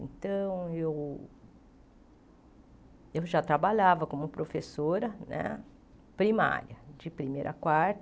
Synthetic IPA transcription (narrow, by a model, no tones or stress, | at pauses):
nt̪ɐ̃w̃ew | ewʒat̪ɾabaʎavɐkõmʊpɾofesoɾɐnɛ̰ | pɾima̰ɾjɐd͡ʒɪpɾimejɾʔɐkwaɾt̪